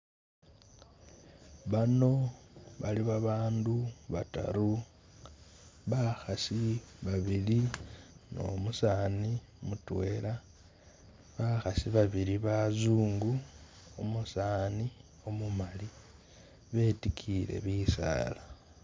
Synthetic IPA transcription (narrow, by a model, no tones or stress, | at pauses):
βano̞βaliβaβaːnduβa̰ta̰ɾu | βaxasiβaβilino̞̰musaːni | omutwe̞ːla | βaxasiβaβiɾiβazuːŋɡu | omusaːni | o̞mumali | βe̞ːtikʰiɾe̞̰βiːsa̰ːla